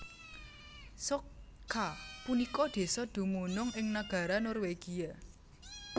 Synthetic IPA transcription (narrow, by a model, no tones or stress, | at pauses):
so | kʰapunikɔd̪̥e̤sɔd̪̥ṳmunʊŋɪŋnaɡ̥a̤ɾanɔrweɡ̥ia